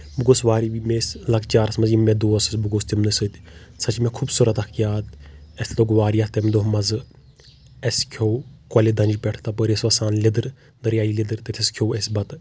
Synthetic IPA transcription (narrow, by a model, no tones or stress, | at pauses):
buɡoːsʋaːɾiʋimeːslɐkt͡ʃaːɾɐsmɐzimẽd̪oːɐsɐsbuɡoːst̪imnɨsɨt̪sɐt͡ʃmẽkʰubsuɾɐt̪ɐkʰjaːd̪esloːɡʋaːɾijat̪emd̪oɦmɐzɨ | eskʰoːkɐled̪ɐ̃nd͡ʒpʲɛʈʰt̪apəɾesʋɐsaːnlʲid̪ɨɾ | d̪əɾjaːilid̪ɨɾt̪et̪ʰiskʰoːesbɐt̪